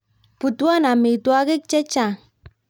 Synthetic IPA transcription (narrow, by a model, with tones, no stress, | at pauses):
pu˨tu˦a˦na˨me˨twa˦ke˦k̚t͡ʃɛ˦t͡ʃa˦˨